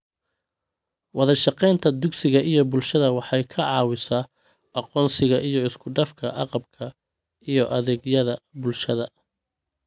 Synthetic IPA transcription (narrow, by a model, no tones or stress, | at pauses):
wɑðɐʃɑqɛjnt̪ʰɐd̪ʊɡsɪɣɐʔijɞbʊlʃɐðɐwɑħɑjkʰɐʕɑːwɪsɐː | ʔɑqɔːnsɪɣɐʔijɔɪskʰʊɖɐfkʰɐʔɑqɑb̚kʰɐ | ijɔʔɐðɛːɡjɐðɐbʊlʃɐðɐ